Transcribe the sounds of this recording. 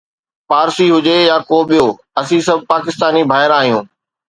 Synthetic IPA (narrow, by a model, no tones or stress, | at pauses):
paːɾsiɦʊd͡ʑejakoːɓijoː | ɐsĩsɐbʱpaːkɪst̪aːnibʱaːɦɪɾaːɦijũː